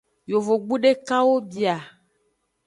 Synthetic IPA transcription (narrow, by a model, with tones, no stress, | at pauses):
jo˨vo˨ɡ͡bu˦ɖe˦ka˦wo˦bi˨a˨